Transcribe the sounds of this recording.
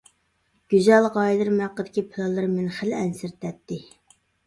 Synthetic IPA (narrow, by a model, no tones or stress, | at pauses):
ɡ̥ʲyzɛlʁɑjd̪ɨɾmæqːəd̪ɪkʲipʰɨlˠɑlˠːɨɾmɪnχɪlɛnsɪɾt̪ʰɛt̪ːɪ